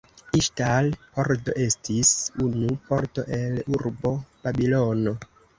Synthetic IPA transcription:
iʃtalpoɾdo̞̰ʔe̞stisunupo̞ɾto̞ʔeluɾbo̞b̥abilo̞no

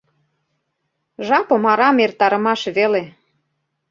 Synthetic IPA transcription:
ʒɑpɤ̆mɑɾɑmert̪ɑɾə̆mɑʃβele

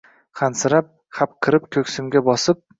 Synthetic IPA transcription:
χansɪɾap̚ | χap̚qʰɨɾɪpkʲʰɵkʲsɪmɡʲabɒsɪp̚

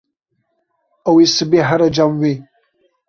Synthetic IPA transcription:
awisɨbiħaɾad͡ʒamwi

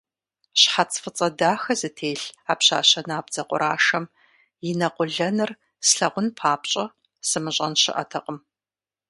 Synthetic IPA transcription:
ɕħat͡sʰʼfɨt͡sʼɐdaːxɐzɨtʰeːɬaːpɕaːɕɐnaːbd͡zɐqʷʼʊ̰ɾʔaːʂɐm | jɪnɐqʷʊɮɐnɨr | sɬɐʁʷʊnpʰaːpɕʼɐ | sɨmɨɕʼɐnɕɪ̰ʔɐ̰tʰɐqʼəm

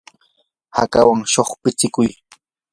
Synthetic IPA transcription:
ha̰kawaŋʃoχpɪt͡sɪkʊj

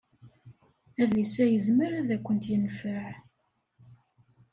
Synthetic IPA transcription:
æðlisæjəzməɾæðækʷːənt̪jənfəʕ

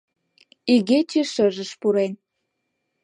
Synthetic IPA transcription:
iɣet͡ɕiʃə̆ʒəʃpuɾen

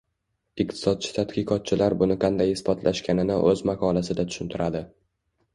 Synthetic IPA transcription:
ɪq̚t̪ʰɪ̥sɒd̪̚t͡ʃʰɪ̥t̪ʰat̪kʰʲɨqʰɒt̪̚t͡ʃʰɪlaɾbʊnɪqʰɑnd̪ajɪsbɒt̪ʰlʔaʃkʲanɪnɪʔɵzmaqʰɒlasɪd̪at̪ʰʊ̥ʃʊnt̪ʰɪɾʔad̪ɪ

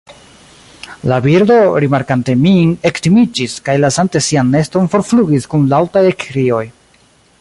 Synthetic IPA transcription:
labiɾdo̞ɾimaɾkante̞miŋe̞ktimid͡ʒiskajlasante̞sianːe̞sto̞nfo̞ɾfluɡiskunlawtajekɾio̞j

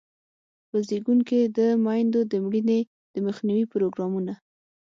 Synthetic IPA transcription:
pəzeɡuŋked̪əmɑjnd̪od̪əmɽine | d̪̥əməxniwipɾoɡɾɑmuna

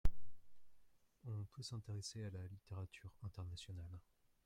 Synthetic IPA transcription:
ɔ̃p̪usɛ̃t̪eʁesealalit̪eʁat̪ʰyʁɛ̃t̪ɛʁnasjɔnal

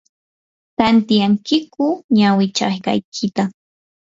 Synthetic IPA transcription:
t̪ant̪ijaŋkɪkʊɲawɪt͡ʃa̰jka̰jkʰɪt̪a

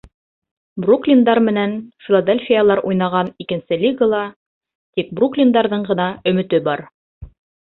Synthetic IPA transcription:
bruklʲind̪ɑɾmɘ̆nænfʲilˠɐd̪elʲfʲijalˠɑɾʔujnɑʁɑnikɘ̆nsɘlʲiɡalˠɑ | t̪ik̚bruklʲind̪ɑɾðɤɴɢɤ̆nɑɵ̆mɘ̆t̪ɘbɑɾ

